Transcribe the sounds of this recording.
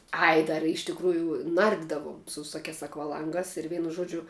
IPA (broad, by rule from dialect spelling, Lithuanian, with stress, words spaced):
ˈɐɪ ˈdɐr ɪ ɪʃ tʲɪkˈruːjʊ ˈnɐrʲdʲɪdɐʋoːm sʊ ʋʲɪˈsoːkʲæːs ɐkʋɐˈlˠɐŋɡɑːs ɪr ˈʋʲɛɪnʊ ˈʒuɔd͡ʒʲʊ